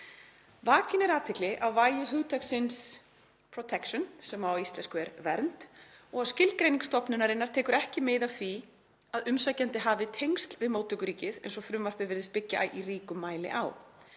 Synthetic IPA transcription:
vaːcɪnɛɾaːt̪ʰɪklɪʔawvaːjɪɦʏɣt̪ʰaksɪns | pʰɾɔt̪ʰɛkʃɔnsɛmawist̪lɛnskʏɛɾvɛɾnt̪ɔɣaðscɪlkɾejniŋst̪ɔpnʏnaɾɪnːaɾt̪ʰɛːkʏɾɛhcɪmɪðawθvi | aðʏmsajcant̪ɪɦaːvɪt̪ʰejŋst̪lvɪðmoːwt̪ʰʏkʏɾiːcɪðḛjnsɔfɾʏmvar̥pɪvɪɾðɪst̪pɪcːa̰iriːkʏmːaːjlɪ̰ʔa̰w

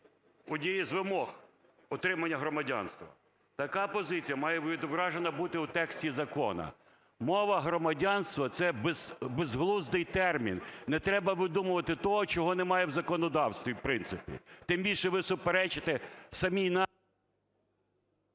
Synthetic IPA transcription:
ʊdʲijizʋɪmɔx | ɔt̪ɾɪmɐnʲːɐɦɾɔmɐdʲa̰nst̪ʋɐ̰ | t̪ɐkɑpɔzɪt͡sʲijɐmɑjɛid̪ɔbɾɑʒenɐbut̪ɪut̪ɛksʲtʲizɐkɔ̰nɐ̰ | mɔʋɐɦɾɔmɐdʲanst̪ʋɐt̪sɛbezbezɦlˠuzd̪ɪjt̪ɛrmʲḭnnɛt̪ɾɛbɐʋɪd̪umʊʋɐt̪ɪt̪ɔɦɔt͡ʃɔɦɔnɛmɑjɛwzɐkɔnɔd̪ɑwst̪ʋʲiwpɾɪnsɪpʲḭt̪ɪmbʲilʲʃɛʋɪsʊpeɾɛt͡ʃɪt̪ɪsɐmʲijnɑ

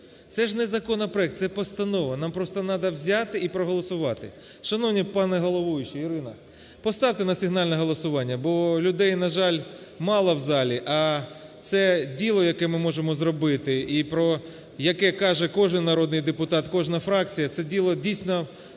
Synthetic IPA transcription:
t̪sɛʒnɛzɐkɔnɐpɾɔɛk̚t̪sɛpɔst̪ɐnɔʋɐnɑmpɾɔst̪ɔnɑd̪ɐwzʲɑt̪ɪipɾɔɦɔlˠɔsʊʋɑt̪ɪ̰ | ʃɐnɔwnʲipɑnɛɦɔlˠɔʋɔjʊt͡ʃiiɾɪnɐ | pɔst̪ɑwt̪ɪnɐsʲɪɦnɑlʲnɛɦɔlˠɔsʊʋɑnʲːɐbɔlʲʊd̪ɛjnɐʒɑlʲ | mɑlˠɐwzɑlʲiʔɐ | t̪sɛdʲilˠɔjɐkɛmɪmɔʒemɔzrɔbɪt̪ɪipɾɔ | jɐkɛkɑʒɛkɔʒɪnnɐɾɔd̪nɪjd̪epʊt̪ɑt̪kɔʒnɐfɾɑk̚t͡sʲijɐt̪sɛdʲilˠɔdʲijsʲnɔ

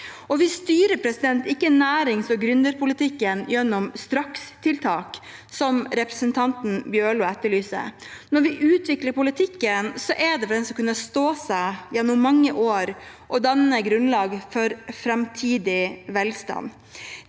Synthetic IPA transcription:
ɔʋɪst̪yːɾəpʰɾɛsɪd̪ɛnt̪ɪkːənæːɾɪŋsɔɡɾʉnd̪əɾpʰʊlɪt̪ʰɪkːənjɛnːʊmst̪ɾɑkst̪ʰɪlt̪ʰɑːksɔmɾɛpɾəsənt̪ʰɑnt̪n̩bjøːɭʊːɛt̪ːəɭyːsə̰nɔɾʋɪʔʉːt̪ʋɪkləɾpʊlɪt̪ʰɪkːənsɔʔɛɖ̪ɛfɔɖ̪ɛnsɔkʉnːəst̪oːsæɪjɛnʊmmɑŋːəʔoːɾʔɔd̪ɑnːəɡɾʉnlɑːɡfɔɾfɾɛmt̪ʰiːd̪ɪʋɛlst̪ɑ̰n

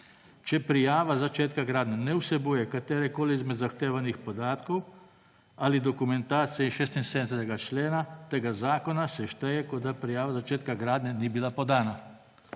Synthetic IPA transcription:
t͡ʃɛpɾijaːʋazat͡ʃeːt̪kaɡɾaːd̪nɛnɛwsɛbuːjɛkat̪eːɾɛkoːliizmɛd̪zaxt̪eːʋanixpɔd̪aːt̪kɔw | alid̪ɔkumɛnt̪aːt̪sijɛiʃeːst̪inseːd̪nsɛt̪ɛɡat͡ʃleːnat̪eːɡazaːkɔnasɛʃt̪ɛjɛkɔd̪apɾijaːʋazat͡ʃeːt̪kaɡɾaːd̪nɛnibilapɔd̪aːna

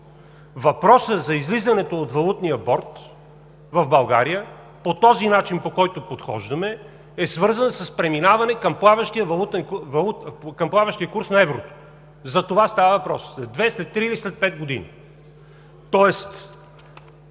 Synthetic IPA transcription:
vɐpɾɔsəzɐizlizɐnɛt̪oːt̪vɐlˠut̪nijəbɔɾt̪ | vɐvbɐlˠɡa̰ɾijə | pot̪ɔzinat͡ʃinpokɔjt̪opot̪xɔ̰ʒd̪ɐmɛ | ɛsvɤɾzənsəspɾɛminavɐnɛkɐmplˠavɐʃt̪iəvɐlˠut̪ɛnkvɐlˠut̪kɐmplˠavɐʃt̪ijəkuɾsnɐɛvɾot̪o̥ | zɐt̪ovast̪avəvɐpɾɔsɛd̪vɛslɛt̪ːɾiːlislɛt̪̚pɛt̪̚ɡod̪ḭnḭ | t̪ɔɛst̪

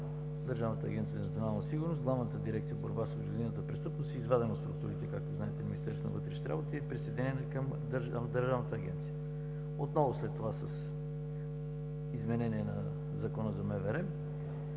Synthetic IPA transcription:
d̪əɾʒavnət̪əɐ̰ɡʲɛnt̪sijəɛnɐt̪sionalˠnəsiɡʊɾnosɡlˠavnət̪əd̪iɾɛkt̪sijəboɾbasoʒizinət̪əpɾɛst̪ɤpnost̪iizvad̪ɛnət̪st̪ɾukt̪uɾit̪ɛkakt̪oznaɛt̪ɛminist̪ɛɾsvonə̰vət̪ɾɛʃni̥t̪ʲɛɾa̰bot̪iɛpɾisɛjd̪ɛnʲɛnɛkəmd̪ɾmd̪əɾʒavnət̪əːɡ̟ʲɛ̰nt̪sijə | ot̪nɔvoslɛt̪ːovasəs | izmɛnɛniɛnɐ̰ | zɐkɔnəzɐmɛvɛɾɛ

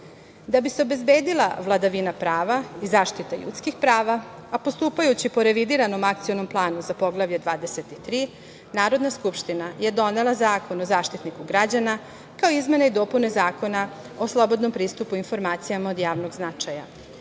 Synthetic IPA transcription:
d̪abiseo̞be̞zbeːd̪ilˠa̰ʋlˠad̪aʋinapɾaːʋaizaːʃt̪it̪aʎṵt̪skixpɾaːʋaapo̞st̪uːpajut͡ɕipo̞ɾe̞ʋid̪iɾano̞makt̪sijo̞no̞mplˠaːnuzapo̞ɡlˠaʋʎed̪ʋaːd̪e̞se̞t̪it̪ɾiː | naːɾo̞d̪naskupʃt̪inaje̞d̪o̞ne̞lˠazaːko̞no̞zaːʃt̪it̪nikuɡɾad͡ʑana | kaoizme̞neid̪o̞ːpune̞zaːko̞na | o̞slˠo̞bo̞d̪no̞mpɾiːst̪upuinfo̞ɾmaːt̪sijamao̞d̪jaːʋno̞ɡznat͡ʃaja̰

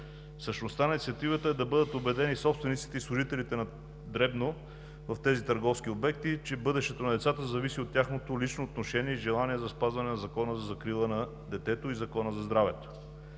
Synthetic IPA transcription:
fsəʃnost̪annit̪siɐt̪ivət̪əɛd̪ɐbɤd̪ət̪obɛd̪ɛnisɔpst̪vɛnit̪si̥t̪ɛislˠʊʒit̪ɛlit̪ɛnɐ | d̪ɾɛbno | vɐft̪ɛzit̪əɾɡɔfskʲiobɛk̚t̪it͡ʃɛbɤd̪ɛʃt̪ɛt̪onɐd̪ɛt̪sat̪əzɐvisiot̪ːʲjaxnot̪olit͡ʃnoːt̪noʃɛniɛiʒɛlˠaniɛzɐspazvɐnɛnɐzɐkɔnəzɐzɐkɾilˠənɐ | d̪ɛt̪ɛt̪oizɐkɔnəzɐzd̪ɾavɛt̪o̥

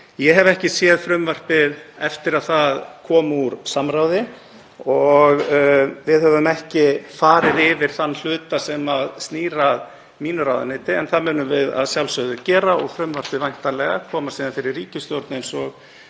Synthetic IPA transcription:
jɛɦɛvɛhcɪsjɛːðfɾʏmvar̥pɪðɛft̪ɪɾaðθaðkʰɔːmuɾsamɾawðɪ | ɔɣvɪðhɛvʏmɛhcɪfaːɾɪðɪvɪɾ̥θanːl̥ʏːt̪asɛmaðst̪niːɾað | miːnʏɾawða̰nɪːt̪ɪɛnθaðmɛːnːʏmvɪða̰ðsjawlsœðʏcɛːɾaɔɣfɾʏmvar̥pɪvajŋ̥t̪alɛɣakʰɔːmasiːðanfɪɾɪɾriːcɪst̪jɔwɾt̪nensɔɣ

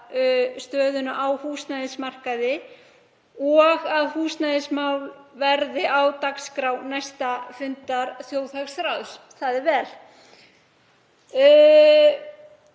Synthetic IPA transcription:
st̪œːðʏnaʔawhuːst̪naðɪsmar̥kaðɪ | ɔɣaðhuːst̪naðɪsmaːwlvɛɾðɪʔawt̪akskɾawnajst̪afʏnt̪aɾθjoːwθaksɾawðs | θaðɪvɛːl

